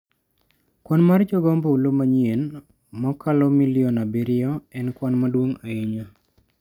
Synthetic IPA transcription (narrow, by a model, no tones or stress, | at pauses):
kwɔnmard͡ʒɔɡɔmboulomaɲien | mɔkʰalɔmilɪɔnabiɾɪɔɛnkwɔnmadwoŋaiɲo